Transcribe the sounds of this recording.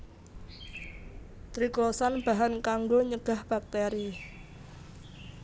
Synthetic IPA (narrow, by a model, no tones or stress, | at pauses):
t̪ɾiklɔsanb̥a̤ɦankaŋɡoɲəɡ̥a̤hb̥ak̚t̪eɾi